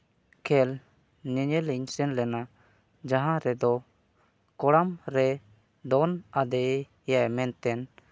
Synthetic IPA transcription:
kʰɛl | ɲɛɲɛliɲsɛnlɛna | d͡ʒaɦãɾɛd̪ɔ | kɔɽamɾɛ | d̪ɔnad̪ɛ | jamɛnt̪ɛn

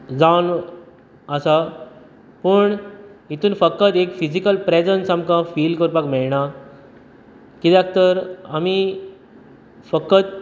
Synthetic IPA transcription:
d͡zaʋn | əsa | pəɳit̪uːnfəkːət̪ekfid͡ʑikəlpɾɛd͡zənsamkãfiːlkəɾpakmɛɭɳa | kit̪jak̚t̪əɾami | fəkːət̪̚

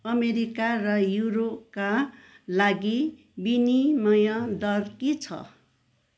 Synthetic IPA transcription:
ʌmeɾikarʌjuɾop̚ka | laɡi | binimʌjʌd̪ʌrkit͡sʰʌ̰

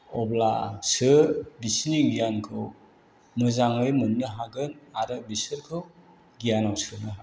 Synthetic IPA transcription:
ɔblasɯɾbisniɡijankʰɯw | mɯzaŋɯjmɯnːɯɦaɡɯnaɾɯbisɯɾkʰɯw | ɡijanawsɯnɯɦa

